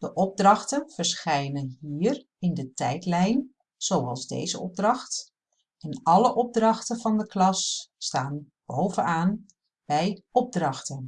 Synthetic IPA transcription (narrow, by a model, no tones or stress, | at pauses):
d̥əʔɔb̚drɑχtənv̥əɹsχɛjnənɦiːr | ɪndətɛjtlɛjn | z̥owɑlˠzdḛjzəɔb̚drɑxt | ɛnɑləʔɔb̚drɑχtəvɑndəklɑsːtaːn | b̥owvənaːn | b̥ɛjɔb̚drɑχtən